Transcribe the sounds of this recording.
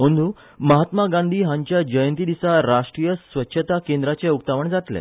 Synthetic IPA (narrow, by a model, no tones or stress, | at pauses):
ɦənd̪uː | məɦat̪maɡãnd̪ʱiːɦãɲt͡ɕjad͡ʑəjənt̪id̪isaɾaʂʈɾijəsʋətːɕʰət̪akend̪ɾat͡ɕɛukt̪aʋəɳd͡zat̪lɛ̰